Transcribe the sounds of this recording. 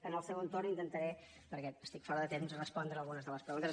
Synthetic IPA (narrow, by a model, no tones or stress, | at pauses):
ənəlˠsɛwənt̪ornint̪ənt̪əɾɛ | pəɾkɛəst̪ikfɔɾəðət̪emzərəspɔnd̪ɾəːlˠɣunəzðələspɾəɣunt̪ə